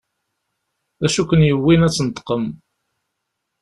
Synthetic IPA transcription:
æʃukʷːənjəwːinæt͡sːənt̪ːə̥qəm

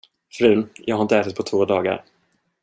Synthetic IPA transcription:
fɾʉ̟ːjɑːɡhaɪnt̪əɛːt̪at̪̚pʰɔt̪ʰvoːd̪ɑːɡa̰ɾ

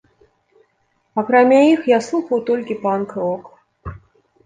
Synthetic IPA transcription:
ɐkɾamʲaixjaslˠuxɐwt̪ɔlʲkʲɪpankɾɔk

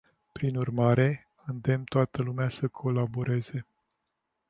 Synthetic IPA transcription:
pɾinurmaɾe̞ | ɨnd̪e̞mt̪oat̪əlumeasəkʰo̞labo̞ɾe̞ze̞

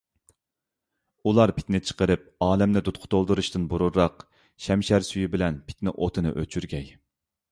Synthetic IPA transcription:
ulˠɑɾpʰɪ̥t̪nɪt͡ʃʰə̥qəɾɨp̚ɑːlɛmnɪd̪ut̪̚qʰʊ̥t̪ʰolˠd̪ɨɾuʃt̪ɨnbuɾuɾːɑq | ʃɛmʃɛɾsyjibɪlɛnpʰɪ̥t̪nɪʔot̪ʰɨnɨ̰ʔø̰t͡ʃʰyɾɡʲɛj

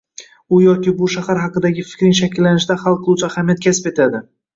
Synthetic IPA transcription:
ʊjɒkʲɪbʊʃahaɾɦɑqɨd̪aɡʲɪfɪ̥kʲɾɪŋʃakʲɪlːanɪʃd̪aχɑlˠqʰɨlˠuwt͡ʃʰahamjat̪̚kʲʰasɪpe̞t̪ʰad̪ɪ

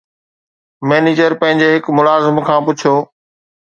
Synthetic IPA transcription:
meːniːd͡ʑəɾpə̃ɐ̃ɦɪ̃ɲd͡ʑeːɦɪkmʊlaːzɪmkʰãːpʊt͡ɕʰjoː

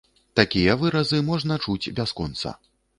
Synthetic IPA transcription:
t̪akʲijɐvɨɾɐzɨmɔʐnɐt͡ʂut͡sʲbʲaskɔnt̪sɐ̰

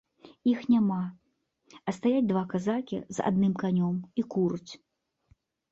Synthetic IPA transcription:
ixnʲama | ɐst̪ajad͡zʲd̪vakazakʲḭza̰d̪nɨmkanʲɔmikuɾut͡sʲ

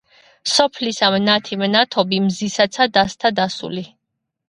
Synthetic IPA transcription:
sɔpʰlisamnat̪ʰimnat̪ʰɔbimzisat̪sʰad̪ast̪ʰad̪asṵli

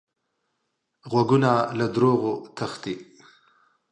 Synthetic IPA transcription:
ɣwaɡunalad̪ɾoɣot̪ʰaxt̪i

